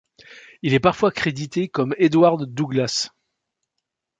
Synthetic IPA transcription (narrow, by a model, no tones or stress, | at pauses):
ilɛpaʁfwakχed̪it̪ekɔmed̪waʁd̪ːuɡlas